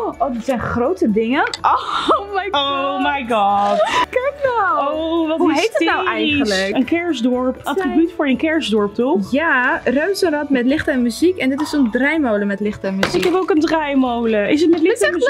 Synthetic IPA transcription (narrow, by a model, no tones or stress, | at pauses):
ʔowdɪtsɛjnχrowtədɪŋənʔomɛjomajɡɑtkɛknawoʋɔhɦejənawɛjχənləkənkɛɹsdɔɹpatrribytfʊːɹənkɛɹzdɔɹp̚tɔjarøɥsənrɔtmɛtlɪχtɛnmyzikɛndɪtɪsondrɛjmowləmɛtlɪχtɛnmyzɪkɛbowkəndrɛjmowləʔɪs̬ətmɛtlɪ